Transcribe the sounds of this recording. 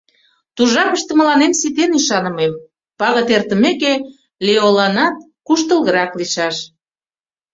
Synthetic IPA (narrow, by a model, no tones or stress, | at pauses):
t̪uʒɑkəʃt̪əmə̆lɑnemsit̪enyʃɑnə̆mem | pɑɣət̪ert̪ə̆meke | leolɑnɑt̪̚ | kuʃt̪əlˠɣəɾɑkliʃɑʃ